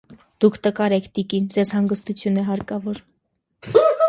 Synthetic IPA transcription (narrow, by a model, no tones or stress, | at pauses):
d̪̥ukʰt̪əkɑɾɛkʰt̪ikind͡zɛzhɑŋɡəst̪ut͡sʰjunɛɦɑɾkɑvɔɾ